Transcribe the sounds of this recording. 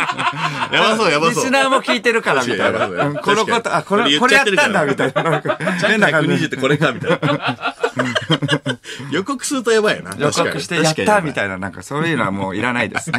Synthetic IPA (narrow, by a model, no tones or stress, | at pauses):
jaaojaaissɨnaːmo̞kʲiːt̪e̞ɾɯ̟kaɾamʲit̪aaaɯ̃ːko̞nokot̪oakonoko̞ɾeajat̪eɾɯãnd̪amʲit̪ainanaenːakãɲiʑit̪ːeko̞ɾekamʲit̪a | jo̞kokɯ̟̥sɨɯt̪ojaβaio̰na̰jokokɯ̟ɕi̥t̪e̞jat̪ːamʲit̪ainanãŋkaso̞ːjɯ̟noa̰mo̞ːiɾanaid̪esɨne